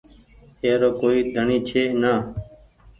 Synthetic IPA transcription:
eːɾoːkoːiːd̪ʱəɳiːt͡ʃʰeːnaː

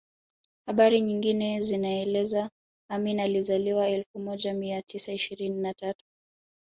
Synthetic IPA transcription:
haɓaɾiɲiŋɡinɛzinaɛlɛza | aminalizaliwaɛlfumɔʄamiatisaiʃiɾininatatu̥

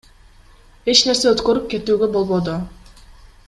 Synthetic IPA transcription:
e̞t͡ʃne̞ɾse̞øt̪køɾyp̚ke̞t̪yːɡe̞bo̞lˠβod̪o

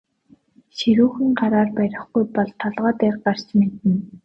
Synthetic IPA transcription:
ʃiɾuːxɘ̆ŋɢaɾaːrpæɾʲɪ̆χɡujpɔɮt̪ʰːɔɮʁɔːt̪erɢar̥t͡ɕmet̪ɘ̆n

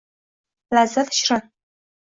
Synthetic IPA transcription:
lazɐfʃrɐ

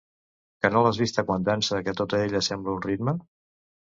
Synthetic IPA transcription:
kənolazβist̪əkwand̪ansəðəkɛt̪ot̪əeʎəsɛmbləunrit̪mə

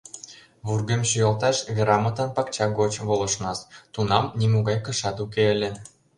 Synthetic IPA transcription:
βurɣemɕujɑlt̪ɑʃβeɾɑmɤ̆t̪ɑnpɑkt͡ɕɑɡot͡ɕβolˠɤ̆ʃnɑst̪unɑmnimuɣɑjkɤ̆ʃɑt̪ukeə̆lʲĕ

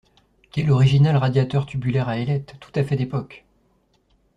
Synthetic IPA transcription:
kʲɛlɔʁiʒinalʁad̪jat̪œʁt̪ʰybylɛʁaelɛt̪ːu̥t̪afɛd̪epɔk

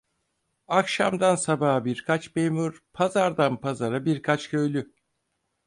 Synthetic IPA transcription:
akʃamd̪ansabaːɦbiɾkʰat͡ʃmeːmuɾ̥pʰazaɾd̪anpʰazaɾabiɾkʰat͡ʃcʰø̞jlʲy

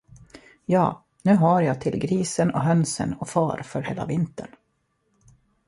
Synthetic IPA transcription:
jɑː | nʉ̟ːɦaɾjat̪ʰɪlɡɾiːsənɔɦœnsə̰nɔfɑːɾfœɾheːla̰vɪnt̪ə̰ɳ

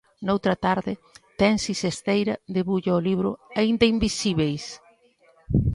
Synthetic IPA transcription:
nowt̪ɾɐt̪aɾðɪt̪ɛnsisest̪ejɾɐðeβuʎɐoliβɾʊ̰aind̪ɐimbisiβejs

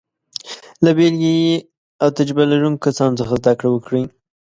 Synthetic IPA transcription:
labelɡaje | awt̪ad͡ʒbalaɾuŋkkasɑnt͡səxazd̪akɽawəkɽi

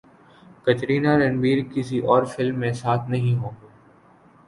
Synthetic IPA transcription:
kɐt̪ɾiːnaɾɐ̃nɖʋiːɾkɪsiʔɔːɾfɪlmːẽsaːt̪ʰnɐɦĩɦoːɡː

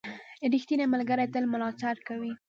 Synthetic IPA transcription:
ɾixt̪inemalɡaɾajt̪əlmʊlɑt͡saɾkawi

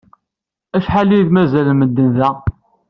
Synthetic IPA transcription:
æʃħaliðmæzælməd̪ːənðæ

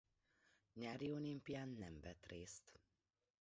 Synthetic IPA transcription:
ɲaːɾiolimpiaːnːɛmvɛt̪reːst̪

